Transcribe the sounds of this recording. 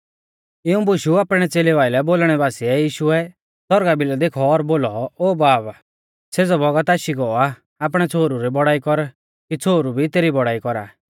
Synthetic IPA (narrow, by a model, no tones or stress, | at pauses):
ɪũbʊʃuaːpɽ̃ɛt͡seːlɛʋaːɪlɛboːlɽ̃ɛbaːsiɛjiːʃuɛ | sɔɾɡabɪlɔd̪eːkʰɔːɾboːlɔoːbaːb | seːd͡zɔbʱɔɡat̪aːʃiɡɔa | aːp̬ɽ̃ɛt͡sʰoːɾuɾibɔɽaːikɔɾ | kit͡sʰoːɾubʱit̪eːɾibɔɽaːikɔɾa̰ː